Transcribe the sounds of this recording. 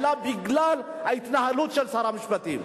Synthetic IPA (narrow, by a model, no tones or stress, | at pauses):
labiɡlal | ajt̪ʰnaɦalot͡ɕɐlsaɾamiɕpɐt̪ḭ